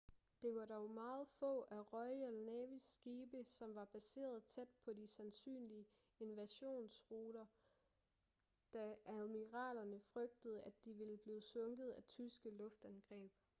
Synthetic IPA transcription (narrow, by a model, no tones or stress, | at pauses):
d̥e̝ʋɑ̈dɒʊmɑ̈ːð̩ˠfɔ̰̽ːæʁɒ̽ɪælnɛʋisɡ̥iːb̥əsɒ̽mʋɑ̈b̥æse̝̰ːɐð̞̩ˠt͡sʰed̥̚pʰɒ̽disænsy̰ːnliə | e̝nʋæɕo̝̰ːnsʁuːɾ̥ɐ | d̥ææðˠmiʁɑ̰̈ːd̥ɐnəfʁœɡ̥̚d̥əð̩ˠæd̥iʋe̝ləb̥liːsɔŋɡ̥ð̩ˠæt͡sʰysɡ̥əlɔ̽fd̥ænɡ̥ʁɛ̰ːb̥